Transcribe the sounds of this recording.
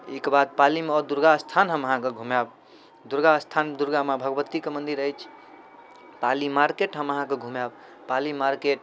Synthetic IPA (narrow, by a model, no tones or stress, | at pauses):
ikbad̪̚palimeɔd̪uɾɡast̪ʰanɦəməɦãkeɡʱumab | d̪uɾɡast̪ʰand̪uɾɡamebʱəɡbət̪ːikemənd̪iɾəjt͡ʃʰ | palimaɾkeʈɦəməɦãkeɡʱumab | palimaɾkeʈ